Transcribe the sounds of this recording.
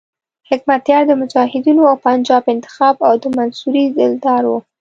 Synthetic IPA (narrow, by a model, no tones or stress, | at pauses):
hɪkmat̪jɑɾd̪əmʊd͡ʒɑhɪd̪inoawpand͡ʒɑbɪnt̪ɪ̥xɑbawd̪əmansuɾizɪld̪ɑɾwu